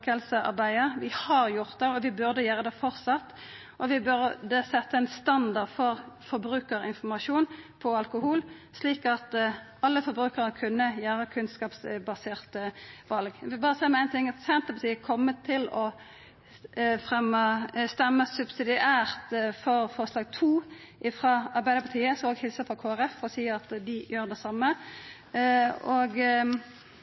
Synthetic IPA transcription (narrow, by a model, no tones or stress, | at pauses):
kəlsəʔɑ̰ʁbæɪəʋɪhɑʁjʊʁt̪̚d̪ɛɔʋɪbʉʁd̪əjøːʁəd̪ɛfɔʁsɑt̪ː | ʔɔʋɪbʉɾd̪ɛsɛt̪ːəæɪnst̪ɑnd̪ɑʁd̪fɔʁfɔɾbʁʉːkəʁɪnfɔmɑʃuːnpʰɔɑlkʊhuːl | sliːkɑt̪ | ɑlːəfɔɾbʁʉːkəʁəkʰʉnːəjæːʁəkʰʉnskɑːpsbɑseːʁt̪əʋɑlɡʋɪlbɑːʁəsæɪmɛæɪnt̪ʰɪŋɑt̪sɛnt̪əpɑt̪iːəkʰɔmːət̪ʰːɪlɔ | fʁɛmːəst̪ɛmːəsʉbsɪd̪ɪʔæːʁt̪fɔʁfɔʁslɑːɡ̚t̪ʰuː | ʔɪfʁɑːɑʁbæɪd̪əɾpʰɑt̪ʰiːəsoɡhɪlsəfʁɑkʰoːæʁɛfːɔʁɔsiːɑt̪d̪ɪjøːʁd̪ɛsɑmːə | oːɡ